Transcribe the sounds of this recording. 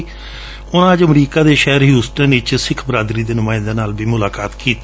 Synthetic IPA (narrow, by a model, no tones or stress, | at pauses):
ʊnãːəd͡ʒəmɾiːkaːd̪eːʃɛɦəɾɦjuːsʈənɪt͡ʃsɪkʰbɾaːd̪ɾiːd̪eːnʊmaːɪnd̪aːnaːlbʱiːmʊlaːkaːt̪kiːt̪